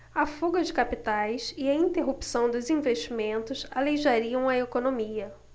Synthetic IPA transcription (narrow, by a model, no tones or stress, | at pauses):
ɐfuɡɐd͡ʒɪkapit̪ajsɪɐĩnt̪eɦupsɐ̃w̃d̪ʊzĩveʃt͡ʃimẽnt̪ʊsaleʒaɾiɐ̃w̃ɐekonomiɐ